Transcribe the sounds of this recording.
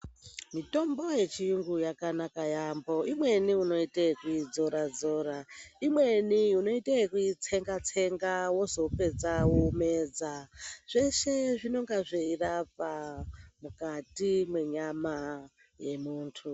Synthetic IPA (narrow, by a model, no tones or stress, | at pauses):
mito̞mbo̞je̞t͡ʃiuŋɡujakanakajambo̞imwe̞niuno̞iteekuid͡zo̞ɾad͡zo̞ɾaimwe̞niuno̞iteekuit͡se̞ŋɡat͡se̞ŋɡawo̞zo̞pe̞d͡zawume̞ːd͡zaʐ̥e̞ʃe̞ʐino̞ŋɡaʐeirapamukatimwe̞ɲama | je̞muːntʰu